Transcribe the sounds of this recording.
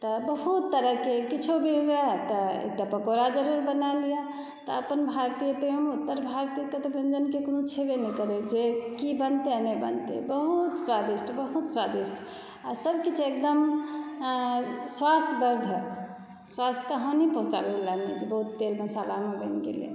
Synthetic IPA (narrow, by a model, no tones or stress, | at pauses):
t̪ɔbəɦut̪ːəɾəɦkekit͡ʃʰobʱiɦuet̪əḛk̚ʈapəkoɾad͡ʒəɾuɾbənalijə | t̪əəpənbʱaɾt̪ijət̪eemeut̪ːəɾbʱaɾt̪ijəkət̪bend͡ʒənkekonũt͡ʃʰebenɛkəɾed͡ʒekibənt̪eanəbə̰nt̪ḛbəɦut̪swad̪isʈʰbəɦut̪swad̪isʈʰ | asəbʱkit͡ʃʰek̚d̪əm | swast̪ʰɡəɾd̪ʱə | swast̪ʰkəɦə̃nipəɦũt͡ʃa̰beɡelamed͡ʒebəɦut̪ːelməsalamebənɡḛlḭjḛ